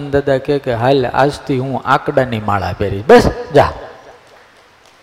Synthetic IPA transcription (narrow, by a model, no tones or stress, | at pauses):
nd̪əd̪akekeɦala̰d͡ʒt̪ʰiɦũã̰kɖanimaɭa̰peɾit͡ʃʰbəsd͡ʒa